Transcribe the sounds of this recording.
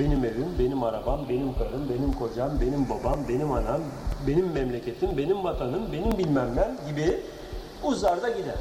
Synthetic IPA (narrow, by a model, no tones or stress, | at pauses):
be̞nime̞vimbe̞nimaɾabambe̞nimkʰɯɾɯmbe̞nimkʰo̞d͡ʒambe̞nimbabambe̞nimanambe̞nimːɛmlʲecʰe̞t̪ʰimbe̞nimvat̪ʰanɯmbe̞nimbilʲmæmːænɟibi | uzaɾd̪aɟid̪æɾ